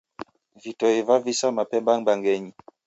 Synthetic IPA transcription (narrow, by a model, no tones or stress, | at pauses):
vitɔivavisamapɛmbaŋbaŋɡɛɲi